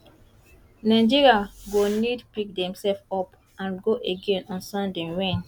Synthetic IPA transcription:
naɪ̃d͡ʒiɹiaɡonidpik̚dɛ̃msɛlfɔp | ãnɡoʔeɡẽnɔ̃nsãndɛ̃ɹẽn

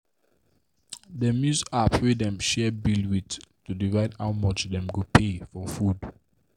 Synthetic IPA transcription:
dəmjusapwidɛ̃mʃɛbilwittudivaɪdhawmɔt͡ʃdɛ̃mɡupʰefɔfud

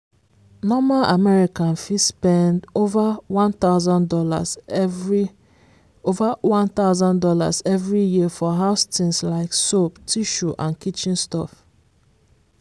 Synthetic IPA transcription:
nɔmalʔamɛɹikãnfispɛ̃ndovawɔ̃nt̪aʊzãndɔla̰ | ovawɔ̃nt̪aʊzãndɔla̰zɛvɹijiəfɔɦaʊstĩnslaɪksoptʰiʃuʔãnkit͡ʃĩnstɔ̰f

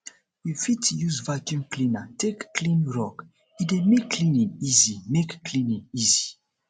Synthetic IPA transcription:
wifitjuzvakjũmklĩnatʰekːlĩnɹɔk | idemekːlĩnĩnizimekːʰlĩnĩnizi

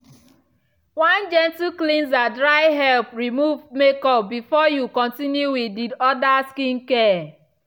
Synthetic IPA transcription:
wãnd͡ʒɛ̃ntiklĩnzadɾaɪɦɛlpɹimuvmekɔpbifɔjukɔ̃ntinjuwididɔdaskĩnkɛ

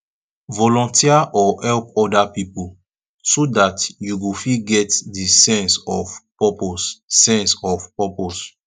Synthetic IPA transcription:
vɔlɔ̃ntiaʔɔhɛlpɔdapipu | sodatjuɡofiɡɛtdisɛ̃nsɔfpɔpossɛ̃nsɔfpɔpos

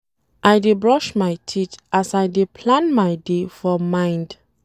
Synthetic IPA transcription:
ʔajdebɹɔʃmajtʰitasajdepʰlãnmaɪdefɔmãɪ̃nd

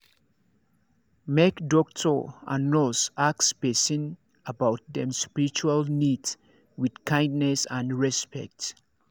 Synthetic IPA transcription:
mɛkdɔk̚tʰɔa̰nɔsaksbɛsĩn | əbawt̚ðɛ̃mspiɹit͡ʃualnids | widkʰãj̃ndnɛsãndɹɛspɛ̰k̚t

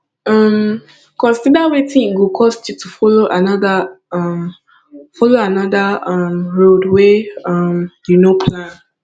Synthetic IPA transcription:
ɔm | kɔ̃nsidawetĩniɡukʰɔstjutʰufɔloʔanɔdam | fɔloanɔdaʌmɹodweʌmjunopʰlãn

